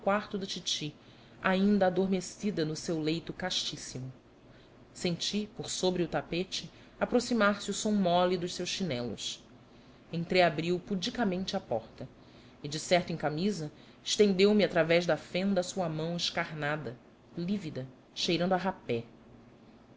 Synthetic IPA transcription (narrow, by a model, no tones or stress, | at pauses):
kwaɾt̪ʊd̪ɐt͡ʃit͡ʃi | aĩnd̪ɐad̪oɾmesid̪ɐnʊsewlejt̪ʊkaʃt͡ʃisimʊ | sẽnt͡ʃipoɾsobɾɪʊt̪apet͡ʃɪ | apɾosimaɾsɪusõw̃mɔlid̪ʊʃsewʃʃinɛlʊ̰s | ẽnt̪ɾejabɾiwpud͡ʒikɐmẽnt͡ʃɪapɔɾt̪ɐ | ɪd͡ʒɪsɛχt̪ʊẽkamizɐ | ɪʃt̪ẽnd̪ewmiat̪ɾavɛʒd̪ɐfẽnd̪ɐsuɐmɐ̃w̃ɪʃkaɾnad̪ɐ | livid̪ɐ | ʃejɾɐ̃d̪aɦapɛ